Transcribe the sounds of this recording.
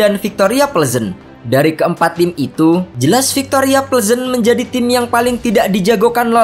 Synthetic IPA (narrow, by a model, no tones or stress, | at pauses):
anfik̚t̪oɾiapəlzən | daɾikəəmpat̪ːɪmit̪ud͡ʒəlasfik̚t̪oɾiapəlzənməɲd͡ʒadit̪ɪmjaŋpalɪŋt̪idaʔdid͡ʒaɡokanlo